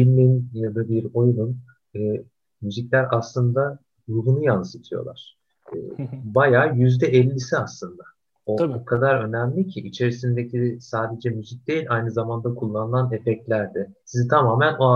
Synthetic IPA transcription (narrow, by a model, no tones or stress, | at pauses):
bilʲminjad̪abiɾo̞junun | ɯː | myzicʲlʲæɾʔaslˠɯnd̪a | ɾubunujansɯt̪ʰɯjo̰lˠa̰ɾ̥ | ɯ̰ːbajaːjyzd̪ɛɛlʲːisiaslˠɯnd̪a | ookʰad̪aɾø̞næmlʲicʰiʔit͡ʃʰe̞ɾisind̪ecʰisaːd̪e̞d͡ʒɛmyzic̚d̪e̞jilʲʔajnɯzamand̪akʰulˠːanɯlanefɛclʲæɾd̪ɪ | sizit̪ʰamaːmæno̞a